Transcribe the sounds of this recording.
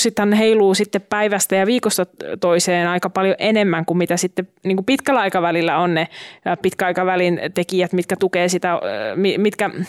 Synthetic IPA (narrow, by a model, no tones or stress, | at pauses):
sit̪hɑnneheiluːsit̪ːeppæiʋæst̪æjɑʋiːkost̪ɑt̪oiseːnɑikɑpɑljoʔenemːæŋkummit̪æsit̪ːeniːŋkupit̪kælːɑikɑʋælilːæonnepit̪kæɑikɑʋælint̪ekijæt̪mit̪kæt̪ukeːsit̪æmimit̪kæ